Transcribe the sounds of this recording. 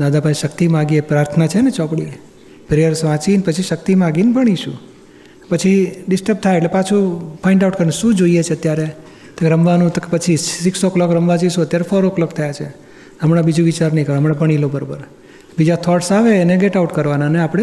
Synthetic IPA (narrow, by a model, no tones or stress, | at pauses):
d̪ad̪apaĩʃəkt̪imãɡiepɾaɾt̪ʰənat͡ʃʰenet͡ʃɔpɽi | pɾejəɾsʋãt͡ʃinpət͡ʃʰiʃək̚t̪imãɡinbəɽ̃iʃṵ̃ | pət͡ʃʰiɖɪsʈəɾp̚t̪ʰajeʈlepat͡ʃʰupʰɔ̃iɳʈauʈkəɾenʃũd͡ʒoijet͡ʃʰeət̪jaɾe | t̪oɾəmʋanũt̪kpət͡ʃʰisiksɔklɔkɾəmʋad͡ʒiʃũət̪jaɾefɔɾɔklɔkt̪ʰəjat͡ʃʰe | ɦəmɽabid͡ʒũʋit͡ʃaɾnəĩkəɾɦəmɳabəɳ̃ilobəɾobəɾ | bid͡ʒat̪ʰɔʈsaʋeːneɡeʈauʈkəɾʋananeapɽ̃e